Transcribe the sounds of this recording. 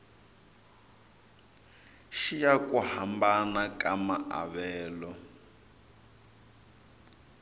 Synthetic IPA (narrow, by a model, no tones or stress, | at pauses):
ʃijakuhambanakamaʔa̰βɛːlɔ